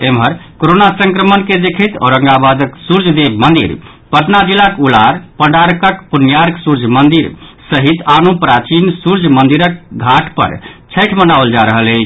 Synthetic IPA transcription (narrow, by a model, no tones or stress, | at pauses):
emɦəɾkoɾonasəŋkɾəmənked̪ekʰət̪ɔ̰ɾəŋɡabad̪əksuɾd͡ʒʱd̪ebmənd̪ḭɾ | pəʈ̪nad͡ʒilakulaɾpəɽaɾkəkpunjaɾksuɾd͡ʒʱmənd̪iɾsəɦit̪anupɾat͡ʃinsuɾd͡ʒʱmənd̪iɾək̚ɡʱaʈʰpə̰ɾt͡ʃʰəʈʰmənawəld͡ʒaɾəɦəlet͡ʃʰ